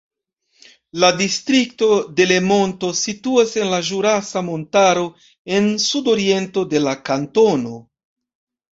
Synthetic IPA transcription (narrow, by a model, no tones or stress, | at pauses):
ladistɾik̚to̞de̞le̞mo̞nto̞situase̞nlaʒuɾasamo̞ntaɾo̞ | e̞nsudo̞ɾie̞nto̞de̞lakanto̞no̞